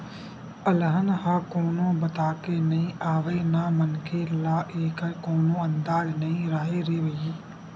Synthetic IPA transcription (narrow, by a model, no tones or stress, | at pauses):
əlɦənɦaːkoːnõːbət̪aːkenəĩːʔaːʋeːnaːmənkʰelaːʔeːkkoːnõːə̃nd̪aːd͡ʒnəĩɾaɦeɾeːʋəiː